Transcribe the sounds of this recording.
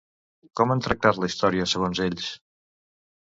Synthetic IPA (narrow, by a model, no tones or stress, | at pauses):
kɔmənt̪ɾək̚t̪at̪ləist̪ɔɾiəsəɣ̞onzeʎs